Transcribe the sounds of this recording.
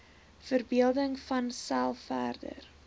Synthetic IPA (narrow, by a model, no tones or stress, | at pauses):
fərbiəlˠdəŋfɐnsælˠffæːrdə̰r